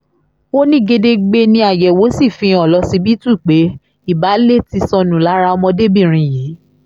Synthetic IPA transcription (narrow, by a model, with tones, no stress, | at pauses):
wo˦nĩ˦ɡe˧de˧ɡ͡be˧nĩ˧a˨jɛ˨wo˨˦si˦˨fĩ˧ɔ˨lɔ˨˧si˧bi˦tũ˦i˨k͡pe˨˦ | i˦˨ba˨˦le˦ti˧sɔ̃˧nũ˨la˨˦ɾa˧ɔ˧mɔ̃˧de˦bĩ˦˨ɾ̃ĩ˨jiː˨˦